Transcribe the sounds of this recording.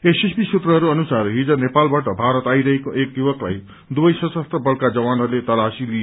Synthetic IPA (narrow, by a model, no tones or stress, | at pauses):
esespisut̪rʌɦʌɾuʌnusarɦid͡zʌnepalbaʈʌbʱaɾʌt̪ajɾʌɦekoʔekjubʌkla̰j | d̪ubʌjsʌsʌst̪rʌbʌɽkad͡zʌwanɦʌɾulet̪ʌlasilie